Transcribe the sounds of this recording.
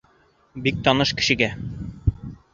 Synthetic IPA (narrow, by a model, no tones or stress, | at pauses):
bik̚t̪ɒnɤʃkɘ̥̆ʃɘ̆ɡæ